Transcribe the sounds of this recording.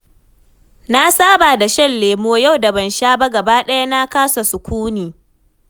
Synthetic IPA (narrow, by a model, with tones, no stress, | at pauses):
na˦saː˦baː˨da˨ʃɐ˦nleː˨moː˦ja˦˨wda˨bɐ˦nʃaː˦ba˦ɡɐ˨baː˦ɗɐ˦ja˦na˦kaː˦sa˨sʊ˨kʷuː˦niː˨